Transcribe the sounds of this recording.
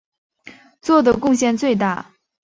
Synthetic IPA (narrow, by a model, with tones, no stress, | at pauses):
t͡swɔ˥˩d̪ə˨˩kʊ˥˧ŋɕjɛ˥˧nt͡swe˥˧ɪt̪a̰˥˩